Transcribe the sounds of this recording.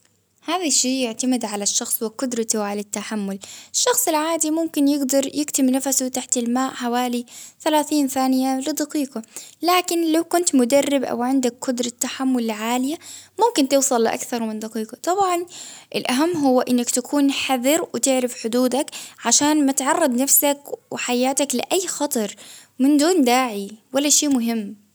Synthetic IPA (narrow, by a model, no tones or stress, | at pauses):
haːðaʃːiːjɪʕt̪amɪd̪ʕalaʃːɑxsˤwɪqʊd̪ɾˤɑt̪ʕalat̪ːaħamːʊlɪʃːɑxsˤɪlʕaːd̪imʊmkɪnjɪɡd̪ɑɾˤjɪkt̪ɪmnafasʊt̪aħt̪ɪlmaːʔħawaːliθalaːθiːnθaːnɪjalɪd̪ɑqiːqɑlaːkɪnlawkʊnt̪mʊd̪arːɪbʔa̰wʕɪnd̪akːʊd̪ɾˤɑt̪ːaħamːʊlʕaːlɪjamʊmkɪnt̪ɨwsˤɑlːɪʔa̰kθɑɾˤmɪnd̪ɑqiːqɑt̪ˤɑbʕɑnʔɪlʔaɦamːɦʊwːaʔɪnːakt̪akʰuːnħaðɪɾwɪt̪ɪʕɾɪfħʊd̪uːd̪akʕaʃaːnmat̪ʕɑrˤːɑd̪ˤnafsakwɪħajaːt̪aklɪ̰ʔajːxɑt̪ˤɑɾˤmɪnd̪uːnd̪aːʕiwalːaʃeːmʊɦɪmː